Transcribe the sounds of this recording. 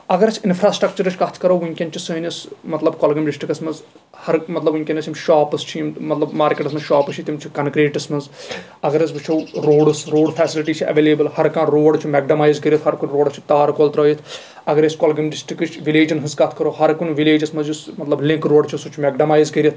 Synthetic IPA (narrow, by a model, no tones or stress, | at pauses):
ɐɡɐɾɐt͡ʃʰɪnfʰɾaːsʈɾɐkt͡ʃɐɾɨt͡ʃʰkɐt̪ʰkɐɾoːʋunʲkʲɐnt͡ʃʰisɐɦinʲɐsmɐt̪lɐbkoːlɡɐmɖɪsʈɾikɐsmɐz | hɐɾmɐt̪lɐbiŋʲkʲenɐsimʃaːpɨst͡ʃʰimmɐt̪lɐbmaːɾkʲeːʈɐsmɐzʃaːpɨt͡ʃʰit̪imt͡ʃʰikɐnkɾeːʈɐsmɐz | ɐɡɐɾɐs̬bit͡ʃʰowɾoːɽɨsɾoːɖpʰɛːsɪliʈiːt͡ʃʰiʔɐ̰ʋeːleːbɨlhɐɾkãːɾoːɖt͡ʃʰumɛɡ̚ɖɐmaːjzkɐɾʲjɐt̪ɦɐɾkunʲɾoːɖst͡ʃʰi̥t̪aːɾkolt̪ɾoːjit̪ʰ | ɐɡɐɾɐskolɡɐmɖɪsʈɾikɨt͡ʃʰʋileːd͡ʒɐnɦɨskɐt̪ʰkɐɾoːɦɐɾkunʲʋileːd͡ʒɐsmɐzjusmɐt̪lɐblɪ̃ŋkɾoːɖt͡ʃʰisut͡ʃʰumɛɡɖɐmaːjzkɐɾʲjɐt̪ʰ